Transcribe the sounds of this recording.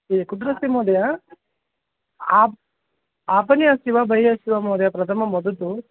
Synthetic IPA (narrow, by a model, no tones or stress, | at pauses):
ekud̪ɾɐsimoːd̪ɐja | aː | aːpɐnijɐsiʋabʱɐɦijɐʃiʋɐmoːd̪jɐpɾɐt̪ʰɐmɐmɐd̪ɐt̪u